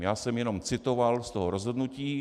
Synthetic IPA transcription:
jaːsɛmjɛnomt͡sɪt̪ovalst̪oɦoɾozɦo̞dnuciː

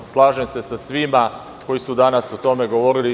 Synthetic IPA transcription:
slˠaːʒemse̞sasʋima | ko̞jisud̪anasut̪o̞me̞ɡo̞ʋo̞ɾili

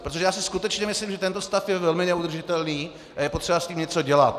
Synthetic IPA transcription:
pɾot̪oʒɛjaːsɪskut̪ɛt͡ʃɲɛmɪsliːmʒɛt̪ɛnt̪o̞st̪afjɛvɛlmɪnɛud̪r̩ʒɪt̪ɛlniː | ʔajɛpo̞t̪ʂɛbasciːmɲɛt͡so̞ɟɛlat̪

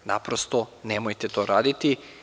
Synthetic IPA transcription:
napɾost̪o̞nemojt̪et̪oːɾaːd̪it̪i

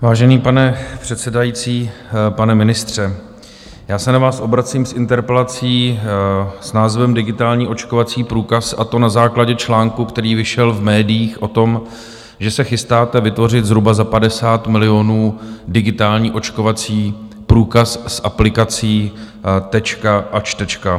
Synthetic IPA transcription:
vaːʒɛniːpanɛpr̝̥ɛt̪sɛdajiːt͡siːpanɛmɪnɪst̪r̝̥ɛ | jaːsɛnavaːsʔo̞bɾat͡siːmsʔɪnt̪ɛɾpɛlat͡siː | snaːzvɛmdɪɡɪt̪aːlɲiːʔo̞t͡ʃkovat͡siːpɾuːkasʔat̪o̞nazaːklaɟɛt͡ʃlaːŋkukt̪ɛɾiːvɪʃɛlvmɛːdɪjiːxʔo̞t̪o̞m | ʒɛsɛxɪst̪aːt̪ɛvɪt̪vo̞rɪt̪zɾubazapadɛsaːt̪mɪlɪo̞nuːdɪɡɪt̪aːlɲiːʔo̞t͡ʃko̞vat͡siː | pɾuːkassʔaplɪkat͡siː | t̪ɛt͡ʃkaʔat͡ʃt̪ɛt͡ʃka

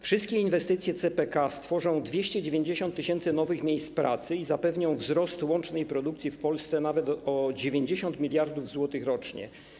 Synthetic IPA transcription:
fʂɘst̪̚kʲɛinvɛst̪ɘt̪sʲjɛt̪sɛpɛkast̪fɔʐɔ̃w̃d̪vʲjeɕt͡ɕɛd͡ʑevʲjeɲd͡ʑeɕɔnt̪ːɘɕɛnt̪sɘnɔvɘxmʲjejst̪pɾʔa̰t̪sɘizapɛvɲɔ̃w̃vzɾɔst̪wɔnt͡ʂnɛjpɾɔd̪uk̚t̪sʲifpɔlst̪sɛnavɛt̪ɔd͡ʑevʲjeɲd͡ʑeɕɔnt̪mʲilʲjaɾd̪uvzwɔt̪ɘxɾɔt͡ʂɲɛ̰

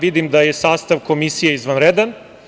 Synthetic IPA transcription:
ʋid̪imd̪ajesaːst̪aʋko̞misijeizʋanɾed̪an

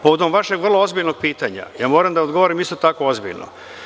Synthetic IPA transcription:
poʋod̪omʋaʃeɡʋr̩lˠoozbiʎnoɡ̚piːt̪aɲa̰jaːmo̞ːɾamd̪aod̪ɡo̞ʋoɾimist̪ot̪ako̞o̞zbḭʎnʔo̰

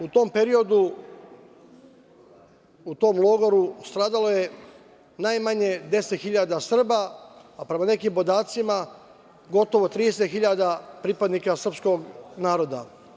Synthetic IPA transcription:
ut̪o̞mpeɾio̞d̪u | ut̪o̞ːmlˠo̞ɡoɾust̪ɾaːd̪alo̞je̞ | najmaɲe̞d̪e̞set̪xiʎad̪asr̩baːpɾe̞mane̞kiːmbo̞d̪aːt̪sima | ɡo̞t̪o̞ʋot̪ɾiːd̪es̬et̪xiʎad̪apɾipad̪nikasr̩psko̞ɡnaːɾo̞d̪a̰

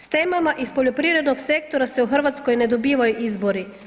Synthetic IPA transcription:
st̪eːmamaʔispoʎopɾiʋɾed̪noksek̚t̪oɾasɛuxr̩ʋat̪skɔjnɛd̪obiːʋajuʔizboɾi

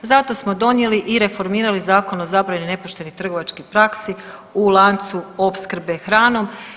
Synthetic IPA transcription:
zat̪o̞smod̪o̞nje̞liʔiɾe̞fo̞ɾmiːɾalizaːko̞no̞zabɾanine̞poʃt̪e̞nit̪r̩ɡo̞ʋat͡ʃkipɾaksiulˠant̪suo̞pskr̩be̞xɾaːno̞m

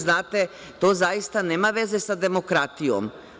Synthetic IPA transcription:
znaːt̪e | t̪oːzajist̪aneːmaʋe̞ze̞sad̪e̞mokɾat̪ijo̰m

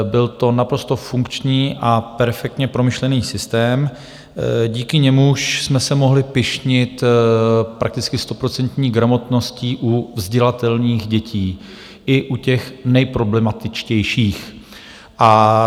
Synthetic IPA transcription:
bɪlt̪o̞napɾo̞st̪o̞fuŋkt͡ʃɲiːʔapɛɾfɛk̚t̪ɲɛpɾo̞mɪʃlɛniːsɪst̪ɛːm | ɟiːkɪɲɛmuʃsmɛsɛmo̞ɦlɪpɪʃɲɪt̪ | pɾak̚t̪ɪt͡skɪst̪o̞pɾo̞t͡sɛnt̪ɲiːɡɾamo̞t̪no̞sciːʔuvzɟɛlat̪ɛlniːxɟɛciː | ʔɪʔucɛxnɛjpɾo̞blɛmat̪ɪt͡ʃcɛjʃiːx | ʔa

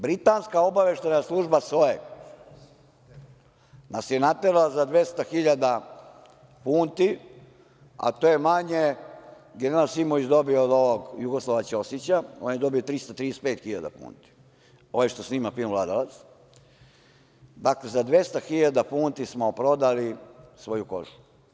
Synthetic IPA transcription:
bɾit̪anskao̞baʋeʃt̪anaslˠuːʒbasoje | nasjenat̪eɾalazad̪ʋje̞st̪axiʎad̪a | puːnt̪i | a̰t̪ojemaɲe | ɡeeɾasimoʋit͡ɕd̪o̞biod̪oʋoɡjuɡoslˠaʋat͡ɕeo̞set͡ɕaoːnjed̪o̞biot̪ɾist̪at̪ɾiːd̪espe̞ːt̪xiʎad̪a̰pṵːnt̪i̥ | o̞eʃt̪osniːmafilʋlad̪alat̪s | d̪aklezad̪ʋe̞st̪axiʎad̪apuːnt̪ismopɾo̞d̪alisʋo̞juko̞̰ʒu̥

